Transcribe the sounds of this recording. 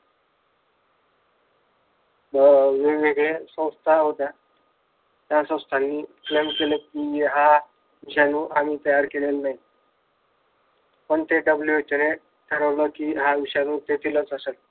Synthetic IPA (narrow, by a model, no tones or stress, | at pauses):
əʋeʋeɡɭesə̃w̃st̪ʰaɦot̪ja | t̪jasə̃w̃st̪ʰanːiːklemkelekiːɦa | ʋiɕjanũːʔamiːt̪əjaɾkelelnaɦi | pəɳt̪eɖəbljuet͡ɕəɾe | ʈ̪ʰəɾəʋləkiːɦaʋiɕjanũːt̪et̪ʰilət͡səsel